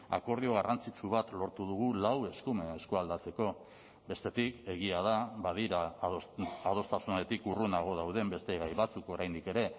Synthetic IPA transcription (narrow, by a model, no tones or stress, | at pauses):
a̰ko̞ɾðio̞ɣ̞arant͡sit͡ʃuβ̞at̪lo̞ɾt̪uðuɣ̞ulawe̞skume̞ːskoald̪at͡se̞ko̞ | be̞st̪e̞t̪ike̞ɣ̞iað̞aβaðiɾaː | ð̞o̞st̪asunaɾet̪ikurunaɣ̞o̞ðawð̞e̞mbe̞st̪e̞ɣajβat͡suko̞ɾajnd̪ike̞ɾe̞